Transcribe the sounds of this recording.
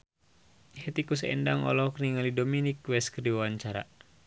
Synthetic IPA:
hɛt̪ikusɛ̰ndaŋɔ̰lɔɔkniŋalidominikwɛskəriwawaɲt͡ʃaɾa̰

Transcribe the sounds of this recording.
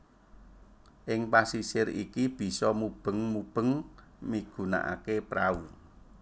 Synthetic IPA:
ʔɪŋpasisɪɾḭkib̥i̤sɔmub̥ə̤ŋmub̥ə̤ŋmiɡ̥ṳna̰ʔa̰kepɾau

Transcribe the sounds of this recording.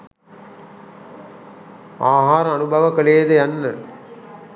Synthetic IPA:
aːɦaːɾəanubʱɐʋəkəleːd̪əjanːə

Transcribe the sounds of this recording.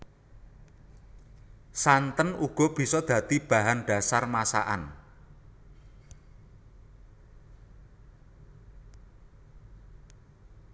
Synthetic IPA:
sant̪ənuɡ̥ɔ̤b̥i̤sɔd̪̥ä̤t̪ib̥a̤ɦanɖ̥a̤sarmasa̰ʔan

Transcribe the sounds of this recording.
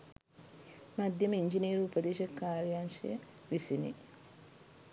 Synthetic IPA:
mɐd̪jɐmiɲd͡ʒiniːɾuupɐd̪eːʃɐkːaːɾijanʃḛ | ʋisinḭ

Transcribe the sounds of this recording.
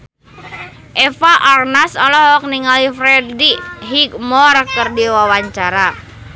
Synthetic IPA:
ʔɛfaʔarnasɔlɔɦɔk̚niŋalifɾɛdiɦik̚mɔrkɨrdiwawaɲt͡ʃaɾa

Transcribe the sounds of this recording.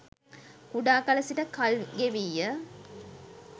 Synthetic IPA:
kuɖaːkɐlɐsiʈəkɐlɡeʋijːə

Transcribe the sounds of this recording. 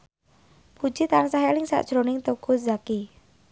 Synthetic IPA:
pud̥d͡ʒit̪ansaɦelɪŋsa̰ʔd̥ʒ̥ɾonɪŋt̪oɡ̥uzaki

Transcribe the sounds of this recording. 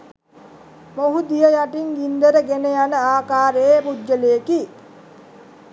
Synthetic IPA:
moɦud̪ijəjaʈiŋɡind̪əɾəɡenejanəaːkaːɾepud͡ʒːəlejəki

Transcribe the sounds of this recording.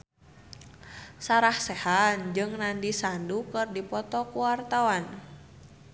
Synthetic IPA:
saɾahsɛhand͡ʒɨŋnandisandukɨrdipɔt̪ɔkuwart̪awan

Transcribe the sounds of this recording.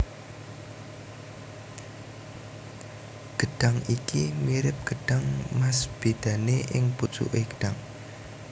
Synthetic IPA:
ɡ̥əɖ̥aŋikimiɾɪp̚ɡ̥əɖ̥aŋmasb̥ed̪̥a̤neʔɪŋpu̥t͡ʃṵʔeɡ̥ə̥ɖ̥aŋ

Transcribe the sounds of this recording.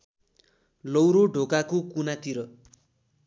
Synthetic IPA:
lʌwɾoɖʱokakokunat̪iɾʌ

